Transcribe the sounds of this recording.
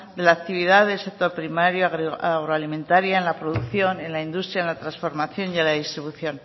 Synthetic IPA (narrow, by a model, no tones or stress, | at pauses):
d̪e̞laːk̚t̪iβ̞iðaðelsek̚t̪o̞ɾpɾimaɾjoaɣɾaɣɾoalimẽ̞nt̪aɾjaenlapɾoðukθjo̞ne̞nlaind̪ust̪ɾjaenlat̪ɾansfo̞ɾmaθjo̞njelaðist̪ɾiβuθjo̞n